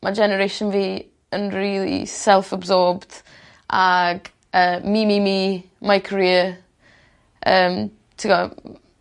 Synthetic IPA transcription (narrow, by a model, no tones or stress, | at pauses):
mʔad͡ʒɛnəɾeʃənviː | ənriːlˠḭsɛlˠfəbzɔːbd̥ | ʔaɡ | əːmimimiː | majkʰɹiːə | ʔəːm | tʰiɡɔ